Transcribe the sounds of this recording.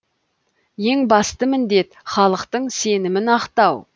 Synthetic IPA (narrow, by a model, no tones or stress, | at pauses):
je̞ŋbɑst̪əmɪnd̪e̞t̪χɑlˠəqt̪əɴse̞nɪmɪnɑqt̪ɑw